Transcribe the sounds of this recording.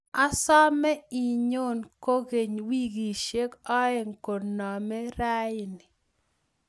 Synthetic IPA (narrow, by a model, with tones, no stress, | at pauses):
a˦sɔ˦mɛ˦i˨ɲo˦nko˦ɡe˨ɲwi˦ɡi˨ʃe˦kɔ˦ɛ˨ŋko˨nɔ˨mɛ˦ɾa˦ɪ˨nɪ˨